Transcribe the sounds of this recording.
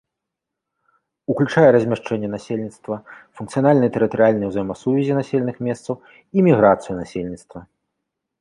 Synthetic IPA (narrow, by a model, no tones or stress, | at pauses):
uklʲut͡ʂajɛɾɐzʲmʲaʂt͡ʂɛnʲːɛnasʲelʲnʲit̪st̪vɐfunk̪sɨjanalʲnɨjt̪ɛɾɨt̪ɐɾɨjalʲnɨjwzɐjmɐsuvʲɛzʲinasʲelʲnɨxmʲɛst̪sɐw | imʲiɣɾat̪sɨjunasʲelʲnʲit̪st̪vɐ